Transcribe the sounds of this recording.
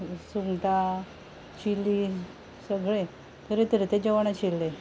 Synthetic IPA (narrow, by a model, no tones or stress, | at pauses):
suŋɡʈ̪a | t͡ɕilːi | səɡɭe | t̪əɾet̪əɾet̪ed͡ʑəʋaɳãt͡ɕilːe